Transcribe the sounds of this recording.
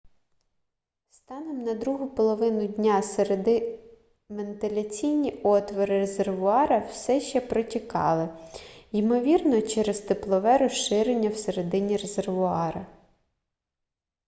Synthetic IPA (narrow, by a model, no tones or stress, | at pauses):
st̪ɑnɛmnɐd̪ɾuɦʊpɔlˠɔʋɪnʊdʲnʲaseɾed̪ɪ | ment̪ɪlʲɐt͡sʲijnʲiɔt̪ʋɔɾɪreze̞rʋʊɑɾɐwsɛʃt͡ʃɛpɾɔtʲikɑ̰lˠɪjimɔʋʲirnɔt͡ʃɛɾezt̪eplˠɔʋɛɾɔʃɪɾenʲːɐwseɾed̪ɪnʲiɾezerʋʊɑɾɐ